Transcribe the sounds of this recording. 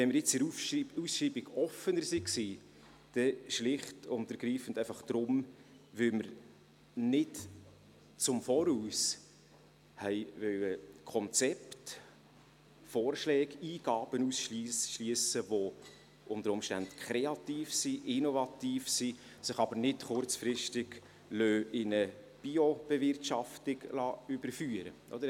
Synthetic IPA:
ʋɛnməɾjɪt͡sɪɾuusʃiːbiɡɔfənəɾsiksiː | d̥ɛʃlɪχtʊntəɾɡɾiːfən̩dɛɪfɑχd̪̥ɾʊm | ʋʏlməɾ | nɪt | t͡sʊmfɔɾuːs | hɛɪvœwəkʰɔnt͡sɛpt | fɔːrʃlɛːɡiːɡ̥ɑːb̥ənusʃlisʃliəsəvo | ʔʊndəɾʊmʃtæntkʰɾɛɑt̪iːfsiʔɪnɔvɑt̪iːfsi | sɪχɑbəɾnɪtχʊrt͡sfɾɪʃtɪɡ̥ | løːʔɪnə | b̥iob̥ɛvɪrtʃɑftɪɡ̥lɑʏb̥əɾfyːəɾə̰ʔɔ̰d̪əɾ

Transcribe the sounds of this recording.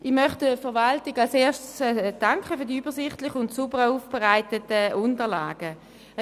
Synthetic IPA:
ʔɪχmœχtəfɛɐʁvaltɪɡalseːɐʃsd̥aŋkχəfyɐdiyːbəsɪχtlɪχʊntsubəʁuːfb̥ɛʁaɪtətəʊntəla̰ːɡ̥ə

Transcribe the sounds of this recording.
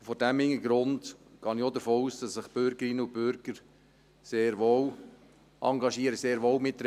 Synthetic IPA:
fɔdæmhɪŋːəɡɾʊndɡ̥ɑːniod̪əfoːuːsd̥ɑsːɪχb̥ʏɾɡəɾɪnːəub̥ʏɾɡ̥əɾ | seːɾʋow | ʔɑŋɡɑʃiəɾəseːɾʋowmɪtːɾ

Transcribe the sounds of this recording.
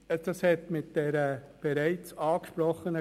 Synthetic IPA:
əd̥ɑshɛtmɪt̚d̥ɛɾəb̥eɾæɪt͡sɑːkʃpɾɔχənə

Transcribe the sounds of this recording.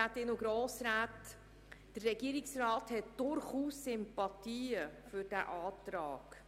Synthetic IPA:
atɪnʊɡɾoːsɾaːt | d̥ərːɛɡiːɾɪksrɑːthɛtd̥ʊɾχuːsːʏmpɑtiːəfʏɾd̥æʔɑːtɾɑ̰ːɡ̥

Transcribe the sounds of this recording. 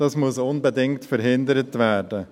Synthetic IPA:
d̥ɑsmʊsʊnbədɪŋtfəɾɦɪndəɾətvæːɾdə

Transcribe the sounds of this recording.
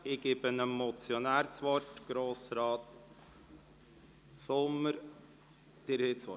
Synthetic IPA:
ɪɡ̥ɪbənəmɔt͡sjɔnæːɾt͡sʋɔrtɡ̥ɾoːsɾɑːt | sʊmːəɾ | d̪̥ɪɾheːt͡sʋɔ

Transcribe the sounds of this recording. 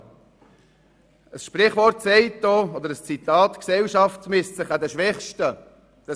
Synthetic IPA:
əsʃprɪχvɔɾtsɛɪt̚doːod̪əɾəst͡sit̪ɑːtksɛlʃɑftsmɪstt͡sɪχad̪ɛʃʋɛχʃtə | d̥ə

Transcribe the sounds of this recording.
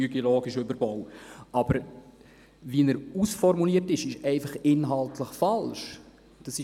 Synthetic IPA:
yɡiloːɡiʃøbəɾbɔwɑb̥əɾ | ʋiənəɾusfɔɾmuliətɪʃɪʃɛɪfɑχɪnɦɑlˠtləχfɑlʃ | d̥ɑsɪ

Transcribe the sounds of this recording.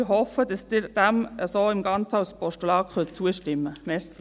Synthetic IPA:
ɦɔfəd̥ɑsd̥ɪɾd̥æməsoːɪmɡɑnt͡səɑwspɔʃtulɑːkχœt̚t͡suəʃtɪmːəmɛs

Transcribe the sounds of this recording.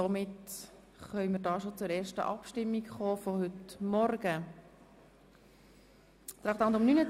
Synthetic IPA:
sɔmɪt | χœʏməːɾdɑːʃot͡sʊɾɛːɾʃtə̰ʔɑpʃtɪmːikχɔːfɔhʏtmɔrɡə | t̪ɾɑːχt̪ɑndʊmnynə

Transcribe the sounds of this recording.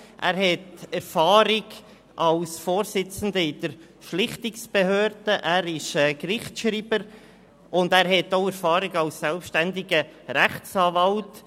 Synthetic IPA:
ʔæːɾhɛtɛɾfɑːɾɪɡ | ʔɑlsfoːɾsɪt͡sən̩d̪əɪd̥̪əɾ | ʃlɪχt̪ɪksb̥ɛhøːɾd̥əʔæːɾɪʃɛːkɾɪχtʃɾiːb̥əɾ | ʊndæːɾhɛtːoʊɛɾfɑːɾɪɡɑlsːɛlpʃtænd̪ɪɡəɾæχsɑːvɑlt

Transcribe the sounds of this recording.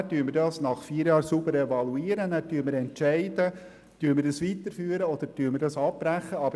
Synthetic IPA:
tyːməɾdɑsnɑχfiːɾjɑːɾsubəɾɛvɑluiːəɾənæːɾtyːməɾɛntt͡ʃæɪd̥ə | tyːməɪɾdɑsʋit̪əɾfyːɾəɔd̪əɾtyːɾməɾdɑsɑpːɾæχːəɑbə

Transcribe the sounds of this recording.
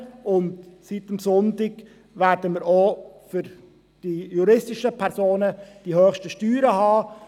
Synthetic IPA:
ʊntsitəmsɔntɪɡ | ʋæːɾdəmiːəɾoːfʏɾ | d̥ijuɾɪstɪʃəpʰɛɾsoːnəd̥ihøːxʃtəʃtyːɾəɦɑː

